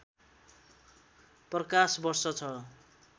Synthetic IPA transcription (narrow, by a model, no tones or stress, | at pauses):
prʌkasbʌrsʌt͡sʰʌ